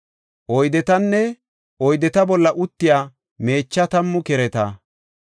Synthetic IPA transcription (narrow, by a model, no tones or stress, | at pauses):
ʔɔjd̪ɛt̪ɐnːɛ | ɔjd̪ɛt̪ɐbɔlːɐʔʊt̪ːɪjaː | me̞ːt͡ʃːɐt̪ɐmːʊkɛɾɛt̪ɐ